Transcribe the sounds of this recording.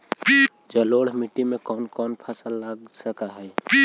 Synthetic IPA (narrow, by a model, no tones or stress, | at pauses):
d͡ʒəloːɽ̤miʈːimẽkɔːnkɔːnpʰasəlːaɡsəkaɦɛː